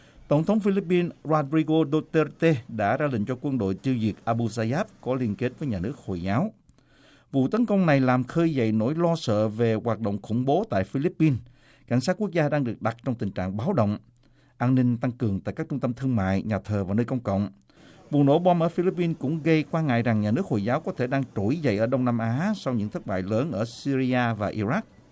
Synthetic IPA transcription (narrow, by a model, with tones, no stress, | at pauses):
t̪ə˧˩wŋ͡mt̪ʰə˨˦wŋ͡mfi˧li˦˥p̚ːi˧nzwaː˧ɗɾi˧ɣo˧ɗo˧t̪e˧t̪e˧ɗa̰ː˧˥zaː˧lï˧˨ŋ̟t͡ɕɔ˧kwə˧nɗo̰˧˨jt̪i˧zi˨˩ək̚ʔaː˧ɓu˧zaː˧zaː˦˥p̚kɔ˨˦li˧ənke˦˥t̚vəː˨˦jɲaː˨˩nɨ˦˥ək̚ho̰˧˨jzaː˨˦w | vṵ˧˨t̪ə˨˦nkə˧wŋ͡mna˨˩jlaː˨˩mxəː˧jzə̰˧˨jno̰˧˥jlɔ˧sə̰ː˧˨ve˨˩ɣwaː˨˩t̚ɗo̰˧˨wŋ͡mxʊ˧˩ŋ͡mɓo˨˦t̪a̰ː˧˨jfi˧li˦˥pːi˧n | ka̰˧˩jŋ̟sa˦˥t̚ku˦˥k̚zaː˧ɗaː˧ŋɗɨ˨˩ək̚ɗa˨˩t̚t͡ɕɔ˧wŋ͡mt̪ï˨˩ŋ̟t͡ɕa̰ː˧˨ŋɓaː˨˦wɗə̰˧˨wŋ͡m | ʔaː˧nnï˧ŋ̟t̪a˧ŋkɨ˨˩əŋt̪a̰ː˧˨jkaː˦˥k̚t͡ɕʊ˧ŋ͡mt̪ə˧mt̪ʰɨ˧əŋma̰ː˧˨jɲaː˨˩t̪ʰəː˨˩vaː˨˩nəː˧jkə˧wŋ͡mkə̰˧˨wŋ͡m | vṵ˧˨no̰˧˥˦ɓɔ˧mʔəː˧˩fi˧li˦˥pːi˧nkʊ̰˧˥ŋ͡mɣə˧jkwaː˧nŋa̰ː˧˨jza˨˩ŋɲaː˨˩nɨ˦˥ək̚ho̰˧˨jzaː˨˦wkɔ˨˦t̪ʰe˧˩ɗaː˧ŋt͡ɕo˧˩jzə̰˧˨jʔəː˧˩ɗə˧wŋ͡mna˧mʔaː˨˦sɔ˧wɲɨ̰˧˥ŋt̪ʰə˦˥t̚ɓa̰ː˧˨jləː˨˦nʔəː˧˩si˧zi˧aː˧vaː˨˩ʔi˧ɾa˦˥k̚